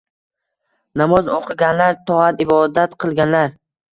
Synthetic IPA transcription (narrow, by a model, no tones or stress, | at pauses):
namɒzoqʰɨɡʲanlaɾt̪ʰɒat̪ɪbɒd̪at̪qʰɨlˠɡʲanlaɾ